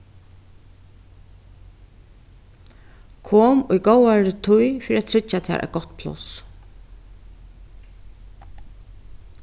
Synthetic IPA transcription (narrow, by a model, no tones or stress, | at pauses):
kʰoːmʊjɡowaɹɪt̪ʰʊjfiɾiatt̪ʰɾɪt͡ʃːat̪ʰa̰ɾʔa̰ɡɔt̪ːpʰlʊ̰s